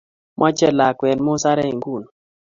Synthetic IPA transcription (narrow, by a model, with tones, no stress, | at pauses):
mʔa˦t͡ʃɛ˦la˨kwɛ˨nmɔ˦sa˦ɾɛ˦i˨ŋɡu˦˨n